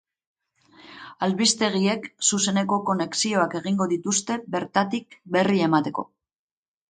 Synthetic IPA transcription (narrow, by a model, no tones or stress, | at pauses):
alβist̪e̞ɣ̞ie̞ksuse̞ne̞ko̞ko̞ne̞ksio̞ake̞ɣiŋɡo̞ðit̪ust̪e̞be̞ɾt̪at̪ik̚be̞rie̞mat̪e̞ko̞̰